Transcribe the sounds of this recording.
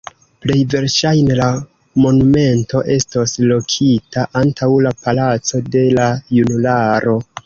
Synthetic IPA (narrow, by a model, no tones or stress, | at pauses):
ple̞jve̞ɾʃajne̞la | mo̞nume̞nto̞ʔe̞stoslo̞kʰitaʔantʰawlapalat͡so̞de̞lajunulaɾo̞